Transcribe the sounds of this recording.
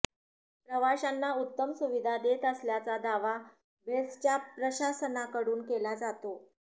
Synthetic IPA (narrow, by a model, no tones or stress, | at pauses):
pɾəʋaɕanːaut̪ːəmsuʋid̪ʱad̪et̪əsljat͡sad̪aʋa | best͡ɕjapɾəɕasənakəɽuːnkelad͡zat̪o